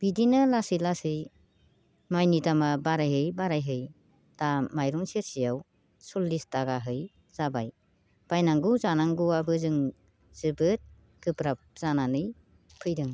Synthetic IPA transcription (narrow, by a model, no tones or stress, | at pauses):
b̥idinɯlasɯjlasɯj | majnidamabaɾajɦɯjbaɾajɦɯj | d̥amajɾɔŋseɾsijaw | sɔlːistaɡaɦɯj | z̥abaj | b̥ajnaŋɡɯwzanaŋɡɯwabɯzɯŋ | z̥ɯbɯt̚ | ɡ̥ɯpɾap̚z̥ananɯj | pʰɯjdɯŋ